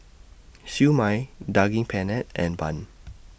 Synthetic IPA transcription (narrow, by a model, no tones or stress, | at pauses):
sjumajdaɡɪ̃ŋpʰɛnɛt̚ʔɛ̰̃nbãn